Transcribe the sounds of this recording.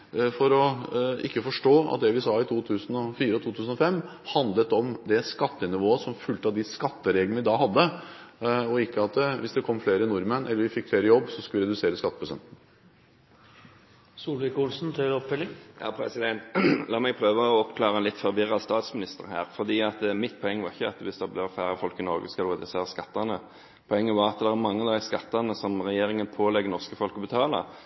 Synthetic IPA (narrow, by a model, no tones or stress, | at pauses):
fɔɾɔɪkːəfɔʂʈoːɑ̰t̪̚d̪ɛʋɪsɑːɪt̪ʰuːt̪ʰʉːsənɔfiːɾəɔt̪ʰuːt̪ʰʉːsn̩ɔfɛmː | hɑnd̪lət̪ɔmd̪ɛskɑt̪ːənɪʋoːəsɔmfʉlt̪ɑʋd̪ɪskɑt̪ːəɾɛɡəlʋɪd̪ɑhɑd̪ːə | ɔɪkːəɑt̪ʋɪsd̪ɛkʰɔmːfleːɾəɪnʊɾmənʔɛ̰lːəɾʋɪfɪkːfleːɾəjɔbːsɔskʉlɪɾɛd̪ʉseːɾəskɑt̪ːəpʰɾʊsɛ̰nt̪n̩ | suːlʋɪkʊlsn̩t̪ʰɪɾɔpʰːɛlɪŋjɑ̰ːpʰɾɛ̰sɪd̪ɛnt̪lɑːmɛɡpʰʁøːʋəɔɔpkʰlɑːʁəɛnlɪt̪ːfɔɾʋɪɾɑst̪ɑːt̪smɪnɪst̪əʁhæ̰ːɾfɔʁd̪iːɑt̪mɪt̪ːpʰɔɛŋːəʋɑʁɪçːəɑt̪ʋɪsd̪ɛblɛfæːʁəfɔlkɪnɔʁɡəskɑlʁɛd̪ʉseːʁəskɑt̪ːɑnə | pʰɔɛŋːəʋɑʁɑt̪d̪ɛʁæɾmɑŋːəd̪æɪskɑt̪ːɑnəsɔmʁɛjeːɾɪŋənpʰoːlɛɡːənɔʁskəfɔlkəbət̪ʰɑːlə̰